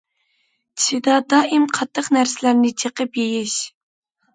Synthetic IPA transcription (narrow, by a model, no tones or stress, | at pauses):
t͡ʃʰid̪ɑd̪ɑːʔimqʰɑt̪ʰːəqnæɾsɪlæɾnɪt͡ʃʰəqəpjejiʃ